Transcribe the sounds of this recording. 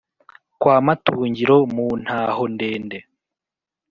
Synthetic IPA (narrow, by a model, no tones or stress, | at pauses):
kwaːmatuːɲɟiɾomuːn̥haːhonde̞ːnde